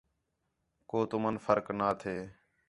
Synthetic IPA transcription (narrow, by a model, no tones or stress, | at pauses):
koːt̪ʊmənfəɾknaːt̪ʰeː